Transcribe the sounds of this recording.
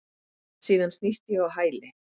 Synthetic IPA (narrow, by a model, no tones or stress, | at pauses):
siːðanst̪nist̪jɛawɦaːjlɪ